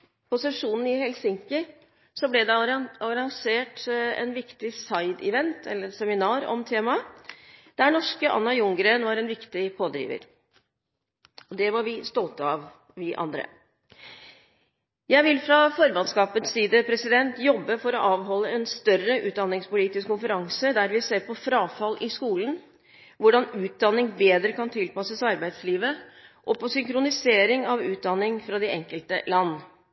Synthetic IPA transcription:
pʰʊsɛʂuːnn̩ɪhɛlsɪŋkəɾ | sɔblɛd̪ɛɔɾɑŋseːʈɛ̰nʋɪkt̪ɪsɑɪd̪ɪ̰ʋɛnt̪ʰɛ̰lːəɾsɛmɪnɑːɾɔ̰mt̪ʰeːmɑ | d̪̥æɳɔʂkəʔɑ̰nːɑjʊŋɡɾeːnʋɑɾɛnʋɪkt̪ɪpʰoːd̪ɾḭːʋə̰ɾ | ɔd̪ɛʋɑɾʋɪst̪ɔlt̪əɑʋ | ʋɪʔɑ̰nd̪ɾə̰ | jæɪʋɪlfɾɑfɔɾbɑnskɑːpət̪siːd̪əpʰɾɛsɪd̪ɛnt̪jɔbːəfɔɾɔʔɑːʋɦɔlːəɛnst̪œrəʔʉːt̪̚d̪ɑnːɪŋspʊliːt̪ɪskʊnfəɾɑŋsəd̪æɾʋɪseːɾpɔfɾɑːfɑlːʔɪskuːlən | ʋʊɖɑnʉːt̪̚d̪ɑnːɪŋbeːd̪ɾəkɑnt̪ʰɪlpɑsəsɑɾbæɪd̪sliːʋəʔɔpɔsʏŋkɾʊnɪseːɾɪŋɑʋʉːt̪̚d̪ɑnːɪŋfɾɑd̪ɛɛŋkəlt̪ə̰lɑnː

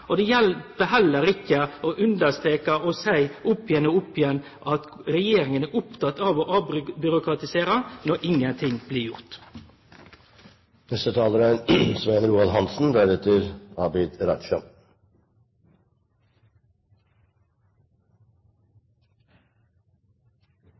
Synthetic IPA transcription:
od̪eːjɛlpəɦɛlːəɾɪkːəoːʔʉnd̪əst̪ʁeːkɑoːsæɪʔʊpːɪjɛnoːʊpːɪjɛnː | ʔɑt̪ɾɛjeːɾɪŋənæʔʊpt̪ɑt̪ːɑʋoːʔɑbbʏɾʊkɾɑt̪ɪseːɾənɔɾʔɪŋənt̪ʰɪŋb̥liːjʊʁt̪ | nɛst̪ət̪ʰɑːləɾəsʋæɪnəɾuːɑlɦɑnsn̩d̪æɾɛt̪əɾɑːbɪd̪ɾɑt̪ʃɑ̰

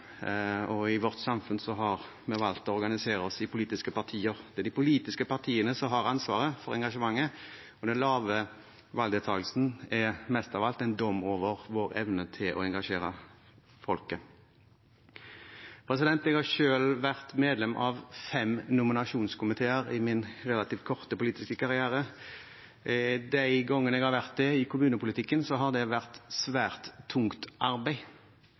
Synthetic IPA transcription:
ɔɪʋɔʁt̪sɑmfʉnsɔɦɑʁ | mɛʋɑlt̪ɔɔʁɡɑnɪseːʁəɔsɪpʰʊliːt̪ɪskəpɑʁt̪ʰiːəʁd̪ɛæd̪ɪpʰʊliːt̪ɪskəpɑʁt̪ʰiːənəsɔɦɑʁɑnsʋɑ̰ːʁəfɔʁɛ̰ŋɡɑʂəmɑŋːə | ɔd̪ɛnlɑːʋə | ʋɑld̪ət̪ʰɑːɡlsn̩ɛmɛst̪ɑʋɑlt̪ɛɪnd̪ɔmoːʋəʁʋoːʁɛ̰ʋnət̪ʰɪlɔ̰ɛŋɡɑʂeːʁə | fɔlkə | pʰʁɛs̬ɪd̪ɛnt̪ɛɡhɑʃøːlʋæʁt̪meːd̪lɛmʔɑʋfɛmnʊmɪnɑʂuːnskʰʊmɪt̪ʰeːəʁɪmɪnʁɛlɑt̪iːʋkʰɔʁt̪əpʊliːt̪ɪskəkʰɑʁɪæːʁə | d̪æɪɡɔŋːənɛɡhɑʁʋæʁt̪̚d̪ɛɪkʰʊmʉːnəpʰʊlɪt̪ʰɪkːənsɔɦɑʁd̪ɛʋæʁt̪sʋæːʁt̪ʰːʊŋkt̪ʔɑʁbæɪ

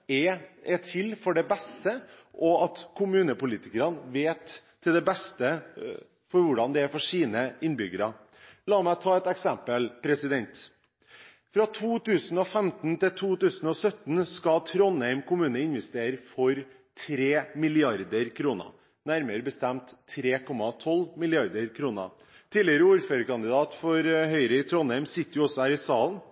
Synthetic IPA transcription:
ɛɛt̪ʰɪlfɔɖɛbɛst̪əʔɔɑt̪kʰʊmʉːnəpʊliːt̪ɪkəɾɑnʋeːt̪ʰː | ɪld̪ɛbɛst̪ə | fɔɾʋʊɖɑnd̪ɛæɾfɔʂiːnəɪnbʏɡəɾɑ | lɑːmæɪt̪ʰɑːɛt̪ɛksɛmpəlpʰɾɛsɪd̪ɛnt̪ | fɾɑt̪ʰuːt̪ʉːsən̩ɔfɛmt̪nt̪ɪlt̪ʰuːt̪ʉːsən̩ɔsœt̪n̩skɑt̪ʰɾɔnːæɪmkʊmʉːnəɪnʋɛst̪eːɾəfɔɾ | t̪ʰɾeːmɪlɪɑɾd̪əɾkʰɾuːnə̰ | næɾməɾəbəst̪ɛmt̪ʰːɾeːkʰɔmːɑt̪ʰɔlmɪlɪɑɾd̪əɾkʰɾuːnə̰ | t̪ʰiːlɪəɾəuːɾføːɾəkɑnd̪ɪd̪ɑːt̪fɔɾɦœʏɾəɪt̪ʰɾɔnæɪmsɪt̪ːəjʊɔsːɔhæːɾɪsɑːlən

